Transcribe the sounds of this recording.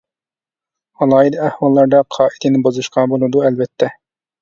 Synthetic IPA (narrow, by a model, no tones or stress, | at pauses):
ɑlˠɑːid̪æhwɑlˠːɑɾd̪ɑqʰɑːi̥t̪ʰɪnɪbozuʃqɑbolˠɨd̪uɛlbɛt̪ʰːɛ